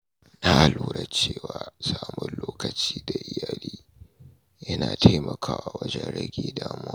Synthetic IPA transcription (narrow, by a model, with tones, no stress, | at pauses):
na˦ʔa˨luː˨ɽɐ˦t͡ʃeː˦˨waː˨saː˨mʊ˦nloː˦kɐ˨t͡ʃiː˦da˨ʔɪ˦jaː˨liː˦ | jɐ˦naː˨tʰa˦mɐ˨kʰaː˦wa˨wɐ˦d͡ʒɛ˦nɽɐ˦ɡʲeː˨daː˦mʊ˦wa˦